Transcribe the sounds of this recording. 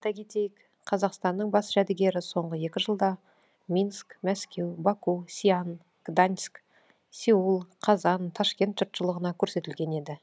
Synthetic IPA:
t̪ɑɡʲit̪ejɪk | qʰɑzɑqst̪ɑnːəɴbɑsʒ̥æd̪ɪɡʲe̞ɾɪso̞ɴʁəje̞kʲɪʒəlˠd̪ɑ | mʲinskmæskʲe̞wbɑkusʲian | ɡ̥d̪ansk | sʲiulˠqʰɑzɑnt̪ʰɑʃkʲe̞nt̪ʒ̥ʊɾt̪ʃəlˠəʁənɑkʲʰɵɾse̞t̪ɪlɡʲe̞ne̞d̪ɪ

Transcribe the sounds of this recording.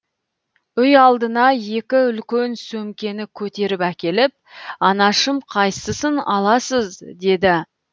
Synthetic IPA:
ʏjɑlˠd̪ənɑje̞kʲɪʏlkʲensɵmkʲe̞nɪkʲʰɵt̪e̞ɾɪpækʲe̞lɪp̚ɑnɑʃəmqʰɑjsəsənɑlˠɑsəzd̪e̞d̪ɪ

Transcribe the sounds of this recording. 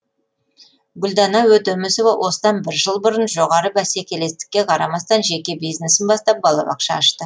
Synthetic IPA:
ɡʊld̪ɑnɑwɵt̪ɵmɪso̞vɑwʔo̞səd̪ɑnbɪɾʒəlˠbʊɾənʒo̞ʁɑɾəbæsekʲe̞le̞st̪ɪ̥kʲːe̞qʰɑɾɑmɑst̪ɑnʒe̞kʲe̞bijzne̞sɪnbɑst̪ɑp̚bɑlˠɑ̰bɑ̰qʃɑːʃt̪ə

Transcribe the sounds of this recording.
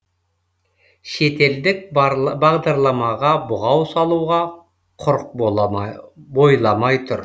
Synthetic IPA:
ʃe̞t̪e̞ld̪ɪk̚bɑʁd̪ɑɾlˠɑmɑʁɑbʊʁɑwsɑlˠuʁɑ | qʰʊɾq̚ | bo̞jlˠɑmɑjt̪ʰʊɾ

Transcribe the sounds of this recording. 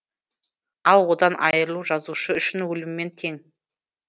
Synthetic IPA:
ɑlˠwo̞d̪ɑnʔɑ̰jəɾlˠuʒɑzuʃəʏʃɪnwɵlɪmːe̞nt̪ʰe̞ŋ

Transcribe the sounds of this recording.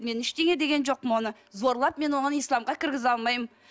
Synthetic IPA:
me̞nɪʃt̪e̞ŋe̞d̪eɡʲe̞nʒo̞qmo̞nə | zo̞ɾlˠɑpme̞nwo̞ɴɑnijslˠɑmʁɑkʲʰɪɾɡʲɪzɑlˠmɑjəm

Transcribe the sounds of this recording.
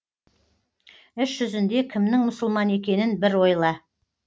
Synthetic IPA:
ɪʃʒ̥ʏzɪnd̪e̞kʲʰɪmnɪŋmʊsəlˠmɑne̞kʲe̞nɪnbɪɾwo̞jlˠɑ

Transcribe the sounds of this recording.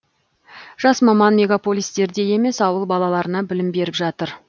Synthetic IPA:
ʒ̥ɑsmɑmɑnmʲe̞ɡapo̞lʲijst̪e̞ɾd̪e̞je̞me̞sɑwəlˠbɑlˠɑlˠɑɾənɑbɪlɪmbe̞ɾɪpʒɑt̪əɾ

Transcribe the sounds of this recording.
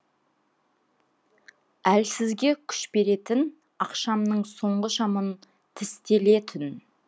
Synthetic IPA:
ælsɪzɡʲe̞kʲʰʏ̥ʃbe̞ɾe̞t̪ɪn | ɑqʃɑmnəɴso̞ɴʁəʃɑmən | t̪ʰɪst̪e̞le̞t̪ʰɪn

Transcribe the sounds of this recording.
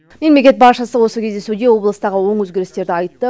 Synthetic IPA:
me̞mle̞kʲe̞t̪̚bɑʃəsəwo̞səkʲʰe̞zd̪e̞sud̪e̞wo̞blˠəst̪ɑʁəwo̞ɴwɵzɡʲeɾɪst̪e̞ɾd̪ɪɑjt̪ːə

